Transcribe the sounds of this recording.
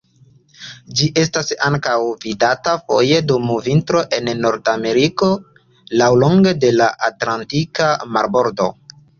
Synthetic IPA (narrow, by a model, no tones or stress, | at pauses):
d͡ʒiʔe̞stasaŋkawvidatafo̞̰je̞dumuvintɾo̞ʔe̞nːo̞ɾdame̞ɾiko̞ | lawlo̞ŋɡe̞de̞laʔatlantikama̰ɾbo̞ɾdo̞̰